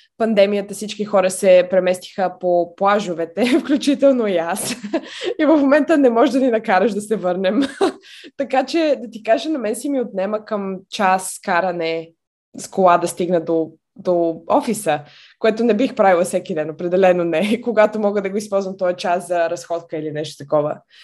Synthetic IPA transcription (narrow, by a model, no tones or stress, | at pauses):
pɐnd̪ɛmijət̪əfsit͡ʃkixɔɾəsɛpɾɛmɛst̪i̥xəpoplˠaʒovɛt̪ɛfklʲut͡ʃit̪ɛlˠnojas | ivəfmomɛnt̪ənɛmɔʒɛd̪ɐninɐkaɾəʃd̪ɐsɛvɤɾnɛm | t̪ɐkat͡ʃɛd̪ɐt̪ikaʒənɐmɛnsimiot̪nɛməkəmt͡ʃaskaɾɐnɛ | skolˠad̪ɐst̪iɡnəd̪o | d̪oɔfisə | koɛt̪onɛbixpɾavilˠɐfsɛkid̪ɛnopɾɛd̪ɛlɛnonɛkoɡat̪omɔɡəd̪ɐɡoispɔlˠzvɐmt̪ɔɛt͡ʃaszɐɾɐsxɔt̪kəilinɛʃt̪o̥t̪ɐkɔvə̰